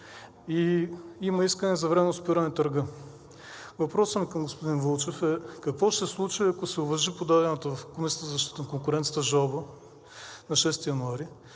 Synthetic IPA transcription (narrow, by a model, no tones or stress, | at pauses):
iimɐiskənɛzɐvɾɛmɛnʊspiɾanɛt̪ɐɾɡə | vɐpɾɔsəmikɐmɡospod̪invəlˠt͡ʃɛfɛkɐkvɔʃt̪ɛslˠut͡ʃiɐkosɛʊvɐʒipod̪ad̪ɛnət̪əvɐfkomisʲə̥t̪əzɐʃt̪i̥t̪ənkoŋkʊɾɛnt̪sjət̪əʒalˠbə | nɐʃɛst̪ijɐnuaɾi